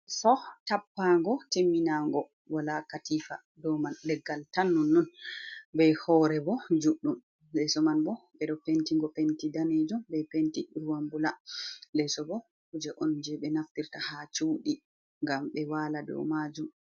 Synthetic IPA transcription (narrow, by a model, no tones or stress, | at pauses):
sɔtapːaŋɡɔtemːinaŋɡɔ | walakatifa | dɔmanlɛɡːaltanːɔnːɔnbɛhɔɾɛbɔd͡ʒuɗːum | lɛsɔmanbɔɓɛɗɔpentiŋɡɔpentidaned͡ʒɔmbɛpentiɾuwambulalɛsɔbɔ | hud͡ʒɛʔɔnd͡ʒɛɓɛnaftiɾtahat͡ʃuːɗi | ŋɡamɓɛwaːladɔ̰mad͡ʒum